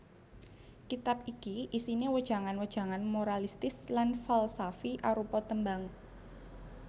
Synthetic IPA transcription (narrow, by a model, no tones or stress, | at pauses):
kit̪ap̚ikiʔisinewəd̥ʒ̥a̤ŋanwəd̥ʒ̥a̤ŋanmoɾalist̪ɪslanfalsafiʔaɾupɔt̪əmbaŋ